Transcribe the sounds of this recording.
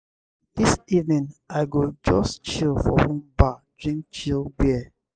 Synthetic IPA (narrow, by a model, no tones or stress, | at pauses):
ð̥isivnĩnaɪɡod͡ʒɔst͡ʃilfɔ̰hũmbadɹĩŋt͡ʃilɡɛ